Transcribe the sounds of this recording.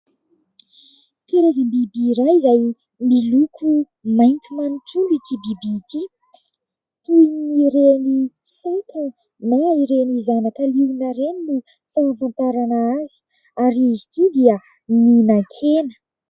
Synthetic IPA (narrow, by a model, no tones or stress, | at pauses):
k̪eɾezambibiɾajzaj | milukʰu | majnt̪imanutuluit̪ibibit̪i | t̪uniɾenisajkə | naiɾenizanakəliwnəɾeninu | favant̪aɾanaazi̥ | aɾizit̪id̪iə | minaŋkʰenə̥